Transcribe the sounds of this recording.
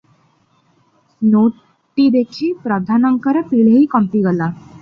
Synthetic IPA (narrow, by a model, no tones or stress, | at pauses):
no | ʈːid̪ekʰiːpɾəd̪ʱanəŋkəɾpiɭeɦiːkəmpiɡəla